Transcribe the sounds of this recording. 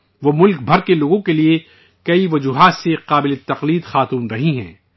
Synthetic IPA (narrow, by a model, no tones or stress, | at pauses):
ʋoːmʊlk̚bʱɐɾkeloːɡõkelie | kɐiʋɐd͡ʒuːɦaːt̪seqaːbɪlet̪ɐqliːd̪xaːt̪uːnɾɐɦĩɦɛ̰̃ː